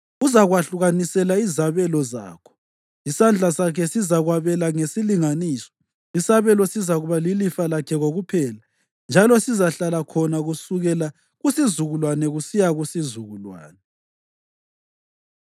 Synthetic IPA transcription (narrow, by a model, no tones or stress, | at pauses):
uzaɣwaɬuɣanisɛlaizaβɛlɔza̰ːkʰɔ̥ | isand͡ɮʱasakʰɛsizaɣwaβɛlaŋesiliŋaniːsɔ̥ | isaβɛlɔsizaɣuβalilifalakʰɛɣoɣupʰɛːla | nd͡ʒʱalɔsizaɬalakʰɔnaɣusuɣɛla | ɣusizuɣulwanɛɣusijaɣusizuɣulwa̰ːnɛ